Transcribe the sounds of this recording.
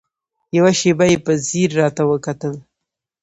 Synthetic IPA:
jawaʃebajepəziɾːɑt̪awəkat̪əl

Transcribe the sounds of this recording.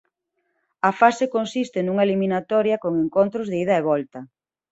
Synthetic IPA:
ɐfasekonsist̪ɪnuŋɐeliminat̪ɔɾjɐkoŋeŋkont̪ɾʊzðeið̞ɐeβ̞ɔlt̪ɐ

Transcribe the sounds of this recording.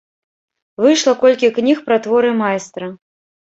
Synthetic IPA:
vɨjʂlˠɐkɔlʲkʲiknʲixpɾat̪vɔɾɨmajst̪ɾɐ

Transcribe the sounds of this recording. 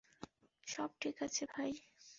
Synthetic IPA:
ʃɔb̚ʈʰikat͡ɕʰebʱaj

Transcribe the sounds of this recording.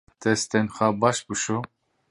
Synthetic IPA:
t̪ʰɛst̪ʰɛnχabaʃbuʃu

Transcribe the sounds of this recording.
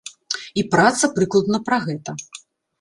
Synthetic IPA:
ipɾat̪sɐpɾɨklˠɐd̪nɐpɾɐɣɛt̪ɐ

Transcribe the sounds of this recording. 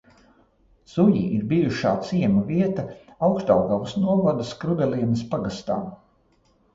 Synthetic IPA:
z̥ujḭiɾbijuʃaːt̪siɛmuviɛt̪ɐawkʃt̪a̰wɡawsnuɔvad̪əskɾud̪ɛliɛnəspaɡast̪aː

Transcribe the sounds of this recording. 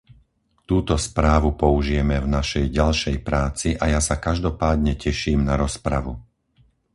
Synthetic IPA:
t̪uːt̪ɔspɾaːʋupɔuʒijɛmɛvnaʃɛjɟalʃɛjpɾaːt͡siʔajasakaʒd̪ɔpaːd̪ɲɛcɛʃiːmnaɾɔspɾa̰ʋu

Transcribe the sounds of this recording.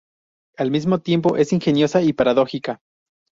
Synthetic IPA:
almizmo̞t̪je̞mpo̞ʔe̞siŋxe̞njo̞saipaɾaðo̞xika

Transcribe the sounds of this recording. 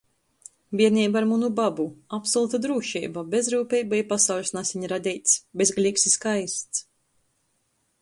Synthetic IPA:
biɛɾnʲiːbaɾmunubabuapsɔlˠut̪ad̪ɾuːʃḭːbabezɾuːpʲɛjbajpasawlʲsnasʲiɲɾad̪ʲɛjt̪sʲbʲezɡlʲiːksiskajst̪s

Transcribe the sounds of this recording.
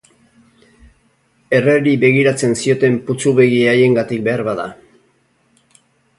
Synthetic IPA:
e̞reɾiβe̞ɣ̞iɾat͡se̞nsio̞t̪e̞mput͡suβe̞ɣiaje̞ŋɡat̪ik̚be̞aɾβaða

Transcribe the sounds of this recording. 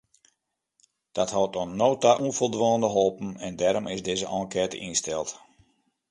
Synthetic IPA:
d̥ɔthɔwtonːoːtaʔunfolˠdʋɔːndəɦolˠpən̩ɛndɛɾomʔɪsdɪːzəʔɔ̃ŋkɛːtə̰ʔinstɛlˠt

